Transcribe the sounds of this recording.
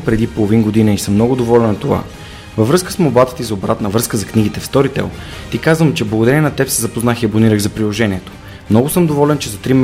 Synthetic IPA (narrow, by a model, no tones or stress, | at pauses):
pɾɛd̪ipolˠovinɡod̪inəisɤmːnɔɡʊd̪ovɔlɛnɐt̪ova̰ | vəvɾɤskə̥smobat̪ə̥t̪izobɾat̪nəvɾɤskəzɐkniɡ̟it̪ɛfst̪ɔɾit̪ɛ̰lˠ | t̪ikazvəmt͡ʃɛblˠəɡod̪ɐɾɛnʲinɐt̪ɛpsɛzɐpoznaxiɐboniɾəɣzɐpɾilˠoʒɛnʲiɛt̪o̥ | mnɔɡʊsɤmd̪ovɔlɛnt͡ʃɛzɐt̪ɾim